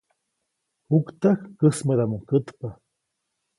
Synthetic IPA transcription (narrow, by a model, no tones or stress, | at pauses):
hukt̪axkəsməɾamukət̪pa